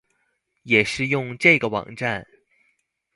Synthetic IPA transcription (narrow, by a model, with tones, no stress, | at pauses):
jɛ˨˩ʂɻ̩˥˧jʊ˥˧ŋʈ͡ʂɤ˥˩ɡə˩wɑ̰˨˩ŋʈ͡ʂa˥˩n